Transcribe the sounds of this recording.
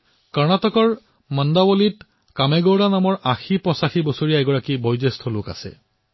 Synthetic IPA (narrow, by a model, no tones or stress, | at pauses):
kɔɹnatɔkɔɹ | mɔndabolit | kamɛɡowdanamɔɹʔaxipɔsaxibɔsoɹijaɛɡɔɹakibɔjzestʰɔlʊka̰sɛ̰